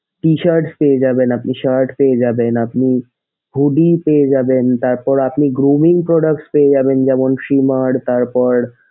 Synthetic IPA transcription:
ʈiʃaɾʈspeed͡ʑabenapniʃaɾʈpeed͡ʑabenapni | bʱuɖipeed͡ʑabent̪aɾpɔɾapniɡɾumiŋpɾɔɖak̚ʈspeed͡ʑabend͡ʑɛmonʃimaɽt̪aɾpɔɾ

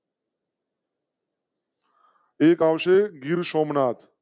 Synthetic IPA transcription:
eːkaːʋʃeːɡiɾʃoːmnaːt̪ʰ

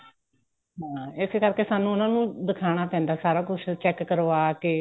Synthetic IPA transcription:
ɦãːɪskəɾkeːsaːnũːʊnãːnũːd̪ɪkʰaːɽ̃aːpɛ̃ːnd̪aːsaːɾaːkʊt͡ʃʰt͡ʃɛːkːəɾʋaːkeː

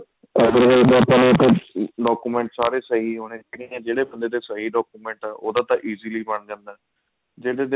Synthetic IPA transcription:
ɛsəɾɡəlt̪ːpãːneːt̪ʰːeːɖɔːkuːmɛ̃ːɳʈsaːɾeːsəɦiːɦoːɽeːaːɽiɛ̃ːd͡ʒeːɽeːbənd̪eːd̪eːsəɦiːɖɔːkuːmɛ̃ːɳʈaːʔo̰ːd̪ãːt̪ãːʔiːziːliːbəɳd͡ʒɛ̃ːnd̪aː | d͡ʒeːɽeːd̪

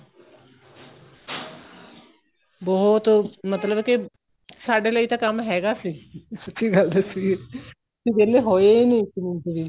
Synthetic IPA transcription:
bɔɦʊt̪mət̪ləbkɪ | saːɖeːləiːt̪aːkəmɦɛːɡaːsiːsətːʃiːɡəld̪esiɡeː | sid͡ʒɛːleɦoːenĩːkɪmɪnt̪ɾiː

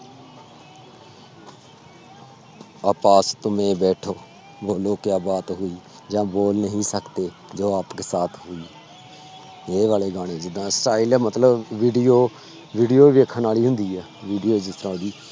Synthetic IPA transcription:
aːpaːst̪ʊmẽːbɛːʈʰoː | boːloːkjãːbaːt̪ɦʊiː | d͡ʒãːboːlnəɦĩːsəkt̪eː | d͡ʒoːaːpkeːsaːt̪ʰɦʊiː | eːʋaːleːɡaːɽ̃ẽːd͡ʒɪd̪ːãːsʈaːilɛːmət̪ləbʋiːɖijoː | ʋiːɖijoːʋeːkʰənaːliːɦʊnd̪iːɛːʋiːɖijoːd͡ʒɪst̪ɾãːd̪iː

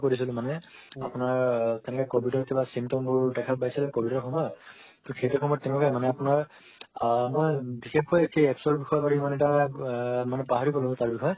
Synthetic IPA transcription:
koɹisilʊ̃manɛ | apʊnaɹtɛnɛkɛkobʱitɔɹkibasimtɔmbʊɹdɛkʰabajsilɛkobitɔɹkʰɔmɔɹ | tʊkʰejtɔkʰɔmbɔtɛnɛɔkɛmanɛapunaɹ | mojbixʰep̚kojekʰeɛksɔɹbixɔjbaɹiimaneta | manɛpaɦaɹikɔlɔbtaɹbixʰɔj

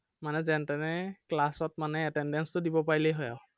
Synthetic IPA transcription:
manɛzɛntɛnɛklasɔt̚manɛɛtɛndɛnstʊdibɔpaɹilɛjɦɔja

